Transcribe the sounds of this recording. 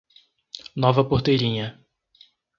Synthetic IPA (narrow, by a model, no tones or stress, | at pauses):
nɔvɐpoɾt̪ejɾĩɲɐ